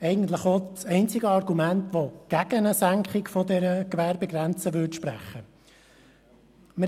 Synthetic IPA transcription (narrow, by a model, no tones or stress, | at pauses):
ɛɪɡən̩t̪ləχot͡sɛɪnt͡sɪɡəɑrɡumæntʋoɡ̥æɡ̥ənəsæŋkχɪkfɔdɛɾəkʋæːɾbɛɡɾɛnt͡səʋʏtʃpræ̰χːə | mə